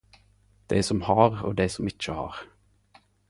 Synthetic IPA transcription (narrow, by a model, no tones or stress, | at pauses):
d̪̥æ̰ɪsɔmhɑːʁo̰ːd̪æɪsɔmɪc͡çəhɑ̰ːʁ